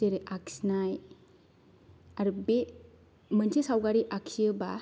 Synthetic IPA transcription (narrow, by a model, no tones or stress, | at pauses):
eɾeʔaksinaj | aɾbe | mənsʰesawɡaɾiʔakʰsijəba